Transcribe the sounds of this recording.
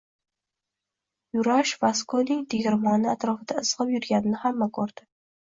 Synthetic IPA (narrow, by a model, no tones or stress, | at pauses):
jʊɾaʃvaskonɪŋt̪ʰeɡʲɪɾmɒnɪat̪ɾɒfɪd̪aɨz̥ʁɨpjʊɾɡʲanɪnɪhamːakʰoɾd̪̥ɪ